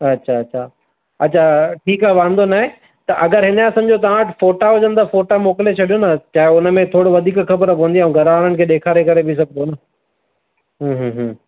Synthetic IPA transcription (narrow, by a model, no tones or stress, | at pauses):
ɐtːɕʰaɐtːɕʰa | ɐtːɕʰaʈʰiːkaːɦʋãːn̆d̪onaːɦe | t̪ɐʔɐɡəɾɦɪnaːsɐmd͡ʑot̪ɐʋãʈfoːʈaɦʊd͡ʑə̃nd̪afoːʈamoːkɪlet͡ɕʰɐɗijonɐt͡ɕaːɦeʊnəmẽt̪ʰoːɽoʋɐd̪ʱiːkxɐbəɾpõʋə̃nd̪iaũɡʱɐɾʋaːɽəɽ̃̆kʰeːɗeːkʰaːɾekɐɾebʱis̬ɐɡ̚ʱnonɐ | ɦũːɦɦ